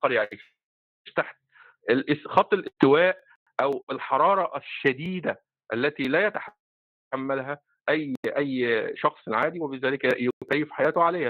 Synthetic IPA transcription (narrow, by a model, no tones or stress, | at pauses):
ɑɾˤjaʕiːʃ | ʃt̪aħt̪i | ʔelʔxɑt̪ˤːʔelʔest̪ɪwæːʔ | ʔæwelħɑɾˤɑːɾˤɑʔæʃːæd̪iːd̪æ | ʔælːæt̪ilæːjæt̪aħa | amːælɦæ | ʔæjːʔæjːʃɑxsˤʕaːd̪iwæbɪzæːlɪkæjkæjːefħajæːt̪oʕaleːhæ